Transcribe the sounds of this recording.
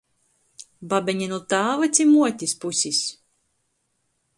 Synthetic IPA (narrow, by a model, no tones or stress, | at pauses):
babʲɛɲʲɛnut̪aːvat̪sʲimuɔt̪ʲispusʲis